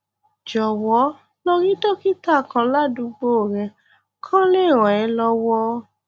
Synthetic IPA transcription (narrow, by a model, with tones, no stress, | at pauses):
d͡ʒɔ˨wɔ˨˦ | lo˦˧ɾĩ˦dɔ˦ki˦ta˦˨kã˨˧la˦dũ˧ɡ͡bo˦˨ɾɛ̃˧ | kʰã˦le˦˨ɾ̃ɔ̃˨ɛ˨˧˦lɔ˧wɔ˧